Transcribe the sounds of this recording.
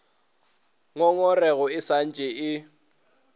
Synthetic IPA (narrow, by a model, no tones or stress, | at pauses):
ŋɔŋɔrɛɣɔɪsan̩t͡ʃʼɛɪ